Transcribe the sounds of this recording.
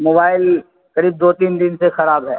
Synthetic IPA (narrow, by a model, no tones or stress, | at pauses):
moːbaːɪl | kɐɾiːb̚d̪oːt̪iːnd̪ɪnsexɐɾaːbɦɛː